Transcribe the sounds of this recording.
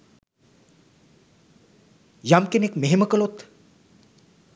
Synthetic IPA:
jamkenekmeɦeməkəlot̪

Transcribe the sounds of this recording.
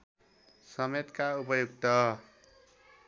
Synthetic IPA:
sʌmet̪kaupʌjuɡt̪ʌ

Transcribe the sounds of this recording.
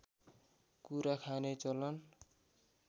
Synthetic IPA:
kuɾakʰanet͡sʌlʌn

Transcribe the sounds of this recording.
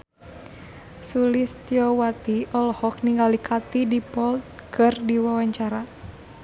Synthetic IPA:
sulist̪jɔwat̪iʔɔlɔhɔk̚niŋɡalikʰat̪idipɔlt̪̚kʰɨrdiwawaɲt͡ʃaɾa

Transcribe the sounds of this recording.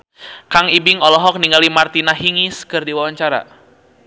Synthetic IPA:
kaŋibɪŋɔlɔɦɔk̚niŋalimart̪inaɦiŋiskɨrdiwawaɲt͡ʃaɾa̰

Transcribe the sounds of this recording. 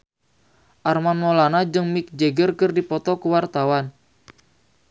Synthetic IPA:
ʔarmanmolanad͡ʒɨŋmik̚d͡ʒeɡərkərdipɔt̪ɔkəwart̪awan

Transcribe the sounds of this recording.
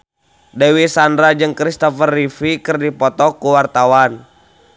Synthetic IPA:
dɛwisandɾad͡ʒɨŋkɾist̪ɔfərːifikɨrdipɔt̪ɔkuwart̪awan

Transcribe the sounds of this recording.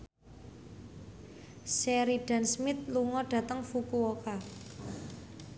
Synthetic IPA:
sɛɾiɖ̥a̤nsmɪt̪̚luŋɔɖ̥ä̤t̪əŋfukuoka

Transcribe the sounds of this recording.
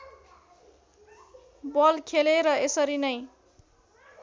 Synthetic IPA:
bʌlkʰeleɾʌesʌɾinʌj

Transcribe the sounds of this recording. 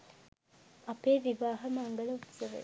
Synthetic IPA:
ɐpeːʋiʋaːɦɐmɐŋɡɐlɐut̪seʋḛ

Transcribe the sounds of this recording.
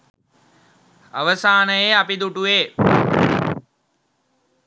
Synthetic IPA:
a̰ʋəsaːnəjeapid̪uʈueː

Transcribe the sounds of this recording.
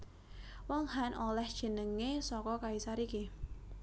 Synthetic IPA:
wɔŋhanʔolɛhd̥ʒ̥ə̤nəŋesɔkɔkaisaɾiki

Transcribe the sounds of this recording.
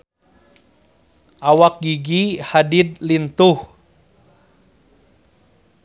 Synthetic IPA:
ʔawak̚ɡiɡihadid̪lint̪uh

